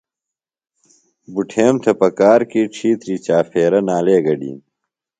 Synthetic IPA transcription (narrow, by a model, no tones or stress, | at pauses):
buʈʰeːmt̪ʰɐpɐkaːɾkiːʈ͡ʂʰiːt̪ɾiːt͡ɕaːfeːɾɐnaːleːɡɐɖḭːn